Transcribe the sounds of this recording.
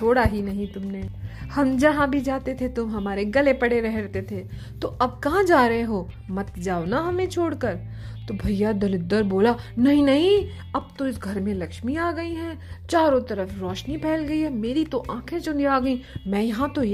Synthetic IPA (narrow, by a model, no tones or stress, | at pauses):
t͡ʃʰoːɽaɦinɐɦĩt̪ʊmneːhɐmd͡ʒɐɦãbʱid͡ʒaːt̪et̪ʰet̪ʊmɦɐmaːɾeɡɐlepɐɽeɾɛɦɾɛt̪et̪ʰe | t̪oʔɐb̚kɐɦãd͡ʒaːɾɐɦẽɦoː | mɐt̪d͡ʒaːonaɦɐmẽt͡ʃʰoːɽkɐɾ | t̪obʱɐjːad̪ɐlʊd̪ːəɾboːlanɐɦĩnɐɦĩ | ɐb̚t̪oɪsɡʱɐɾmẽlɐkʃmiaːɡɐiɦɛːt͡ʃaːɾõt̪ɐɾəfɾɔːʃnipʰɛːlɡɐiɦɛmeːɾit̪oʔãːkʰẽt͡ʃʊniaːɡɐĩmɛ̃ːjɐɦãt̪oj